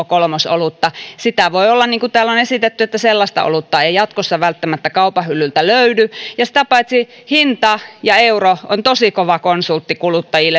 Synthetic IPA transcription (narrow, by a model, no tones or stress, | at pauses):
kolmoso̰lut̪ːɑsit̪æʋoiolːɑnniːŋkut̪æːlonesit̪et̪ːyet̪ːæselːɑst̪ɑ̰ʔo̰lut̪ːɑeijɑt̪kosːɑʋælt̪ːæmæt̪ːækɑupɑhylːylt̪æløydyjɑsi̥t̪æpɑit̪si | hint̪ɑjɑeuroont̪osikoʋɑkonsult̪ːikulut̪ːɑjilːe